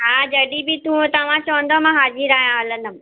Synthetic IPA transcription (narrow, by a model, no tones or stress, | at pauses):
ɦaːd͡ʑɐɽibɪt̪ũt̪ɐʋ̤ãt͡ɕɐʋə̃nd̪omãɦaːd͡ʑiɾaːɦijãɐlə̃nəm